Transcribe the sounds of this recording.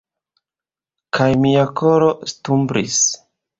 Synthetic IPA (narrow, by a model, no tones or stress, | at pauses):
kʰajmiakʰoɾo̞stumbɾʔḭs